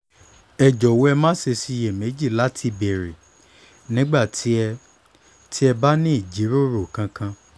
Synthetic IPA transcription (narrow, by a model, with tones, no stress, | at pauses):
ɛ˨d͡ʒɔ˨wo˧˦ɛ˧mãː˦ʃe˧si˦˧je˦˨me˨˦d͡ʒi˦˨la˨˦tʰi˧be˨ɾi˨ | nĩ˦ɡ͡ba˦˨tʰi˨˦ɛ˧ | tʰi˦ɛ˧ba˦nĩ˦i˦˨d͡ʒi˨˦ɾo˦˨ɾo˨kã˧kã˧